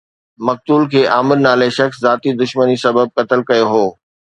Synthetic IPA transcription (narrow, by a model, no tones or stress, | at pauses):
mɐk̚t̪uːlkʰeːʔaːmɪɾnaːleʃɐxszaːt̪id̪ʊʃmənisɐbəb̚kɐt̪əlkɐjoɦoː